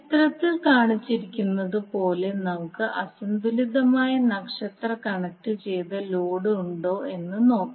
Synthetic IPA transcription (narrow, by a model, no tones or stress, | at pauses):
t̪rɐt̪ːilkaːɳit͡ɕːiɾikʲːunːɐðɨpo̞ːle̞nɐmukːɨʔɐsɐnd̪ulid̪ɐmaːjɐnɐkʂɐt̪rɐkɐɳɐk̚ʈːɨt͡ɕe̞jt̪ɐloːɽɨuɳɖo̞ːʔe̞nːɨno̞ːkː